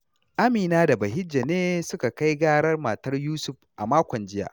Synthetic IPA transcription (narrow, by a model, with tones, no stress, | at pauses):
ʔa˦miː˨naː˦da˨bɐ˨hɪ˦d͡ʒːa˨neː˦sʊ˦ka˨ka˦jɡaː˦ɽɐ˦rma˨tɐ˦rjuː˦sʊ˨ɸʔa˨maː˦kʷɔ˨nd͡ʒɪ˦ja̰ː˨ʔ